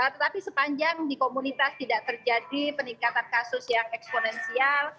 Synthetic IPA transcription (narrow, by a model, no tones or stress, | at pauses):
ət̪ət̪apisəpaɲd͡ʒaŋdikomunit̪ast̪idaʔt̪ərd͡ʒadipəniŋkat̪ankasʊsjaŋɛksponɛnsial